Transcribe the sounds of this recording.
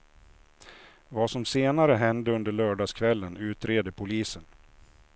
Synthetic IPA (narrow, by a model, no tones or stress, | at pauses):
vasɔmseːnaɾəɦɛnd̪əɵnd̪əɭœːɖɑːskʰvɛlːənʉ̟ːt̪ɾeːd̪əpʰʊliːsən